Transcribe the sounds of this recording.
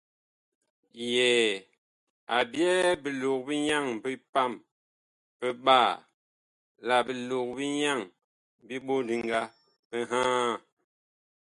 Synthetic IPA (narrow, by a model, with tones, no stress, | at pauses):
jɛ˨ | a˨bjɛ˦bi˨lo˨k̚bi˦ɲa˦˨ŋbi˦pa˦˨m | pə˦ɓa˦˨ | la˨bi˨lo˨k̚bi˦ɲa˦˨ŋ | bi˦ɓo˦˨di˨ŋ˦ɡa˦ | pə˦ɦã˦˨